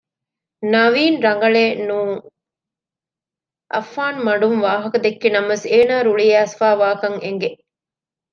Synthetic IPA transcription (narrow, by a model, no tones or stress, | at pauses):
nɐʋiːnɾɐŋɡɐɭeːnũː | ʔɐfːaːnmɐɳɖumʋaːɦɐkɐd̪ekːinɐmʋeseːnaːɾuɭiæːsfaːʋaːkɐŋeŋɡe